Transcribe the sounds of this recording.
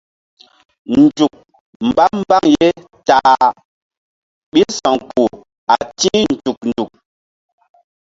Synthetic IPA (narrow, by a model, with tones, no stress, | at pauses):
n˨d͡ʒu˨k̚ | m̩˨ba˦m˦ba˦ŋje˦ | taː˨ | ɓi˦sɔ˨ŋku˨ | a˨tĩ˦n̩˨d͡ʒu˨k̚n̩˨du˨k̚